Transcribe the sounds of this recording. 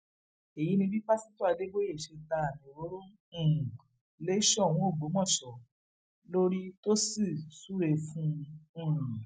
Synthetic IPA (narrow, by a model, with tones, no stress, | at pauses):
e˨ji˨˦nĩ˧bi˦k͡pa˦sĩ˦to˦a˧de˦ɡ͡bo˦je˦˨ʃe˧ta˧a˨nĩ˨ɾo˨˦ɾõ˦˨ | le˦ʃɔ˦˨w̃ɔ̃˨˦o˦˨ɡ͡bo˨˦mɔ̃˦˨ʃɔ˨ | lo˦ɾi˦to˦si˦˨su˦ɾe˧fũ˦˨